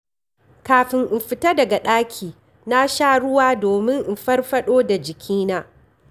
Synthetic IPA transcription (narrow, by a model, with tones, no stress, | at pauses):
kaː˨ɸɪ˨ŋʔɪ˨mɸɪ˨tɐ˦dɐ˨ɡa˨ɗaː˦kʲʰiː˨ | na˦ʃaː˦ɽʊ˦waː˦doː˨mɪ˦ŋʔɪ˨mɸɐ˦rɸɐ˦ɗoː˦da˨d͡ʒɪ˨kʲʰiː˦naː˦